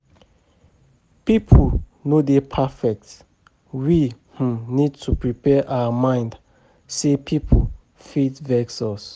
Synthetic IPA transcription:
pipʰ | nodepʰafɛk̚t | wih̩nid̚tʰupɹipʰɛʔawamãɪ̃nd | sepʰipʰo | fitvɛksɔs

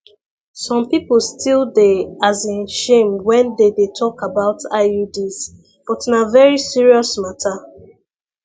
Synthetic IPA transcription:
sɔ̃mpipl̩ˠstʰilˠdɛazĩnʃẽmwɛ̃ndedetʰɔkabaʊtaɪjudiz | b̥ɔtĩnavɛɹisiɹiɔsmatʰa

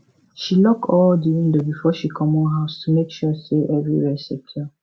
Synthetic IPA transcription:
ʃilɔkɔldiĩndobifɔʃikʰɔ̃mɔ̃nɦaʊstumekʃɔseʔɛvɹiɹɛsɛp̚tʰɔ

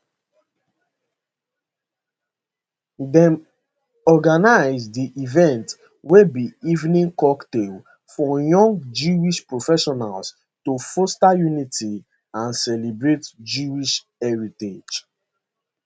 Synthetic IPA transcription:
dɛ̃m | ɔɡanaɪzdiʔivɛ̃nt | webiivnĩŋkɔktel | fɔjɔ̃ŋɡd͡ʒuiʃpɹofɛʃɔnals | tofostajunitʰi | ãnsɛlebɹetd͡ʒuiʃ | ɛɹited͡ʒ

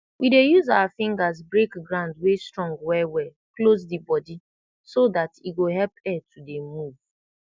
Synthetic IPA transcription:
wʔidejuzawafɪ̃ŋɡaz̬bɹekɡɹãʊ̃ndwestɹɔ̃ŋɡwɛwɛ | klozdibɔdi | sodatiɡoɦɛlpɛtʰudemuv̥

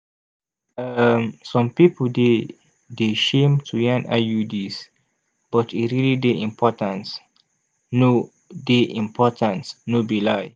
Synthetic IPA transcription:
əmsɔ̃mpipəde | deʃẽmtʰujãna̰judis | b̥ɔtiɹilideĩmpʰɔtə̃ns | no | deʔĩmpʰɔtʰə̃nsnobilaj

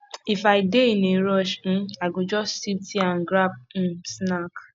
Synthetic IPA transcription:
ifaɪdeineɾɔʃn̩aɪɡod͡ʒɔstsip̚tianɡɾap̩̚snak

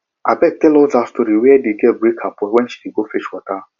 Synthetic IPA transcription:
abɛk̚tɛlɔzastɔɾiwɛɛdeɡɛbɾikʰapɛwɛnʃi̥deɡofeʃwɔta

